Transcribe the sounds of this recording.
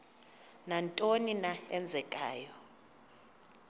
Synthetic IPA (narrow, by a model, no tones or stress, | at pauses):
nantʼoninaɛnd͡zʱɛkʼaːjɔ